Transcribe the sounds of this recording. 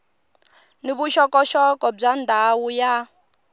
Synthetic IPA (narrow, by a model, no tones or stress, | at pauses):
niβuʃɔkʼɔʃɔkʼɔb͡ʐandʱawuja